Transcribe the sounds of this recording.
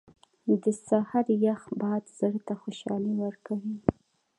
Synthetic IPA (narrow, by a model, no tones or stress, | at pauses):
d̪əsahɑɾjaxbɑjad̪z̥əɽt̪axoʃɑ̰lewəɾkawi